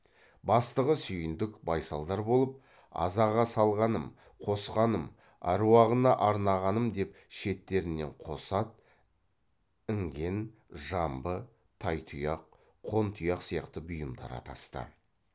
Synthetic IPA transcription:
bɑst̪əʁəsʏjɪnd̪ɪkbɑjsɑlˠd̪ɑɾbo̞lˠəp̚ | ɑ̰zɑʁɑsɑlˠʁɑnəm | qʰo̞sqɑnəm | ɑ̰ɾuwɑʁənɑʔɑɾnɑʁɑnəmd̪e̞pʃe̞t̪ːe̞ɾɪnːe̞̰ɴqʰo̞sɑt̪̚ | ɪŋɡʲe̞n | ʒɑmbə | t̪ʰɑjt̪ʰʊjɑq̚ʰ | o̞nt̪ʰujɑqsijɑqt̪əbʊjəmd̪ɑ̰ɾɑ̰t̪ɑ̰st̪ə̰

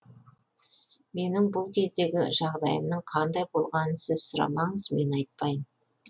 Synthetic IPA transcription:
me̞nɪŋbʊlˠkʲʰe̞zd̪e̞ɡʲɪʒɑʁd̪ɑ̰jə̰mnəɴqʰɑnd̪ɑjbo̞lˠʁɑnəsɪzsʊɾɑ̰mɑɴəzme̞nɑjt̪̚pɑjən

